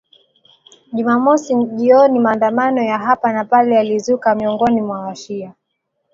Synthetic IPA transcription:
ʄumamɔsiʄiɔnimaːndamanɔjaɦapanapalɛalizukamiɔŋɡɔnimwawaʃia

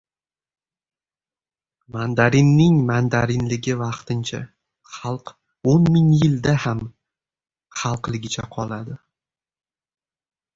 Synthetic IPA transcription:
mand̪aɾɪnːɪŋmand̪aɾɪnlɪɡʲɪvɑqt̪ʰɪnt͡ʃʰa̰ | χɑlˠq | onmɪŋjɪld̪aham | χɑlˠqlɪɡʲɪt͡ʃʰa̰qʰɒlˠad̪ɪ

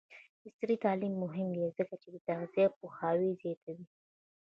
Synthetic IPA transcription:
bɪst̪ɾit̪ɑlimːʊɦɪmdezəkat͡ʃed̪ət̪aɣzijap̚uxɑwizjɑt̪ʰawi

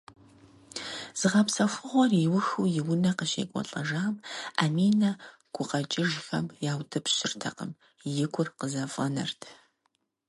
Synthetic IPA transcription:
z̥ɨʁɐpsɐxʷʊʁʷɔriwʊxujɪwnɐqəʃḛːkʷʼɔ̰ɬʼɐʒaːmamiːnɐ | ɡ̥ʷʊqɐt͡ʃʼɪʒfɐ̰mjaːwtʰɐpɕɪrtʰɐ̰qə̰m | jɪkʷʊrqəzɐfʼɐnɐ̰rtʰ

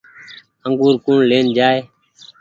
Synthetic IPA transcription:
əŋɡuːɾkuːɳleːnd͡ʒaːeː

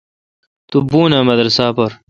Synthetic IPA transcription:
t̪ubuːnɐmɐd̪ɾɐsaːpɐɾ

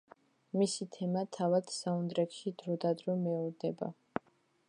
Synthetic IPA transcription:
misit̪ʰɛmat̪ʰavad̪̥saund̪ɾɛkʃid̪ɾɔd̪ad̪ɾɔmɛuɾd̪ɛba̰

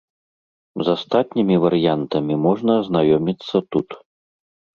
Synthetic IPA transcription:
zast̪at̪̚ʲnʲimʲivɐɾjant̪ɐmʲimɔʐnɐːznajɔmʲit̪sːɐt̪ut̪

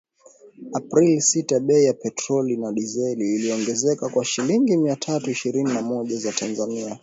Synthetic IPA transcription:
apɾilisitaɓɛijapɛtɾɔlinaɗizɛliːliɔŋɡɛzɛkakwaʃiliŋɡimiatʰatuiʃiɾininamɔʄazatʰanzania

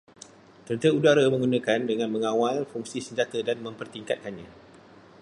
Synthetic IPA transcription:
t̪ənt̪əudaɾamə̃ŋɡunãkandəŋãnmə̃ŋãwalfuŋsisəɲd͡ʒat̪ədanmə̃mpərt̪iŋkat̪̚kanɲã

